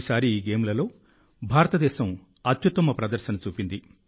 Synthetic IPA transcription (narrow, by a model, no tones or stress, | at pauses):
saːɾiːɡeːmlɐlo̞ː | bʱaːɾɐt̪ɐd̪ɛːʃɐm | ɐt̪jut̪ːɐmɐpɾɐd̪ɐɾʃɐnɐt͡ʃuːpind̪i